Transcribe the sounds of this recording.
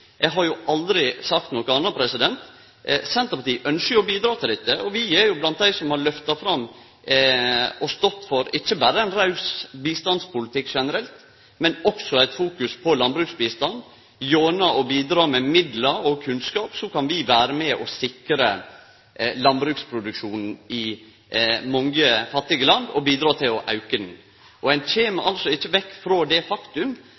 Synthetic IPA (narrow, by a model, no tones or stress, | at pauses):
jɛɡɦɑɾjʊʔɑld̪ɾɪsɑk̚t̪nɔkəɑnːɑpʰɾɛsɪd̪ɛnt̪ | sɛnt̪əpɑʈ̪iːʔœnskəɔbiːd̪ɾɑːt̪ʰɪlɪt̪ːəʔɔʋɪɛɾjʊblɑnt̪̚d̪æɪsɔmhɑɾɭœft̪ɑfɾɑm | ɔst̪ɔt̪ːfɔɾɪt͡ʃːəbæɾəæɪnɾɑʉsbiːst̪ɑnspʊlɪt̪ʰɪkːʂɛnəɾɛlt̪ | mɛnɔksɔæɪt̪fuːkʉspʰɔlɑnbɾʉːksbiːst̪ɑnd̪ | joːnəʔɔbiːd̪ɾɑːmɛmɪd̪ləɾɔkʰʉnskɑːpsɔkɑnʋɪʋæːɾəmɛʔɔsɪkɾə | lɑnbɾʉːkspʰɾʊd̪ʉkʂuːnn̩ɪ | mɔŋəfɑt̪ːɪɡəlɑnd̪ɔ̰biːd̪ɾɑːt̪ʰɪlɔʔɑʉkəd̪n̩ | ʔɔæɪnçʰeːmɑʔɑlsɔɪt͡ʃːəʋɛkːfɾoːd̪ɛfɑkt̪ʉm